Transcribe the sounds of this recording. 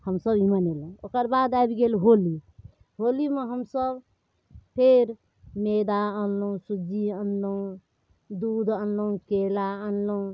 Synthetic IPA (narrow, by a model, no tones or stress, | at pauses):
həmsəbimənelẽokəɾbad̪ajbɡelɦoli | ɦolimeɦəmsəb | pʰeɾ | med̪aənlə̃sud͡ʒiənləũ | d̪ud̪ʱənləũkelaənləũ